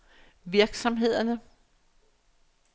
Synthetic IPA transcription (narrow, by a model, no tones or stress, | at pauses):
ʋiɐɡ̥sɒ̽mɦe̝ð̰ˠɐnə